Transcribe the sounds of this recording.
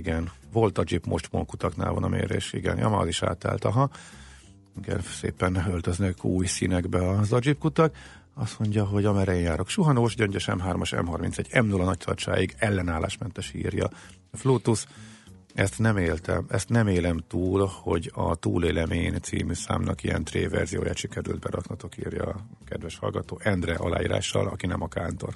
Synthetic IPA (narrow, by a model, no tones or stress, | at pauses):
ɡɛnvo̞lt̪ɒd͡ʒipmʔo̞ʃt̪mo̰ŋkut̪ɒkna̰ːlvɒnɒmḛːɾḛːʃḭɡɛ̰njɒ̰maɒ̰ziʃa̰ːt̪a̰ːlt̪ɒɦɒ | iɡɛ̰nsḛːpɛnølt̪øznɛkʰuːjsinɛɡbɛɒzɒd͡ʒipkut̪ɒk | ɒst̪mo̞ɲɟɒɦo̞ɟɒmɛɾɛjenjaːɾo̞kʃuɦɒnoːʃɟøɲɟøʃɛ̰mɦaːrmɒʃɛ̰mɦɒrmintsɛɟːɛmnulɒnɒc̚t̪ɒrt͡ʃa̰ːjiɡɛlːɛnaːlːaːʃmɛnt̪ɛʃḭːrjɒ̰ | floːt̪us | ɛst̪nɛmeːlt̪ɛ̰mɛst̪nɛmeːlɛmt̪uːlho̞ɟɒt̪uːleːlɛmeːnt̪sḭːmyːsa̰ːmnʔɒkijɛnt̪rḛːvɛ̰rzijo̰ːjaːt̪ʃikɛɾy̰ld̪̚bɛɾɒknɒt̪o̞kiːrjɒ | kɛd̪ʋɛʃhɒ̰lɡɒt̪oːʔɛnd̪rɛʔɒla̰ːjiːɾa̰ːʃːɒ̰lɒkinɛmɒkaːnt̪o̞̰r